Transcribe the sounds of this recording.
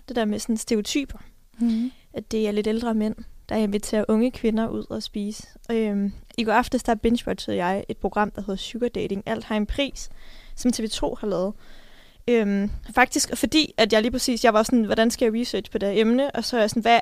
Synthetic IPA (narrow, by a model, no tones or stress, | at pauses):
d̥e̝d̥eɐ̰mesɒ̽nsd̥eo̝t͡sʰy̰ːb̥ɐ | æd̥e̝æɐle̝ɾeld̥ʁɐmen̰d̥ɑ̈æɐe̝nʋit͡sʰe̝̰ːɐʔɔ̽ŋəkʰʋe̝nɐʔuð̞̰ˠɒsb̥iːsə̥ømiɡ̥ɒɑfd̥əsd̥ɑb̥enɕb̥ɒd̥t͡sʰøðˠjɑ̈ɪʔe̝d̥̚pʰʁo̝ɡ̥ʁɑ̈m̰d̥ɑ̈ɦe̝ð̞̩ˠɕuɡ̥ɐd̥eɪɾe̝ŋʔæl̰d̥hɑ̈enpʰʁḭːsːɒ̽mt͡sʰe̝ʋet͡sʰo̝̰ːhɑ̈lɛːð̞̩ˠ | ømfɑ̈ɡ̥̚d̥isɡ̥ɒ̽fɒ̽d̥ḭːæd̥jɑ̈ɪliːpʰʁɛsḭːsjɑɪʋɑ̈osɔnʋɒɾænsɡ̥æjɑ̈ʁisø̰̥ːpʰɒ̽d̥eɐemnəʔɒ̽sɒjasɔ̽n̩ʋæ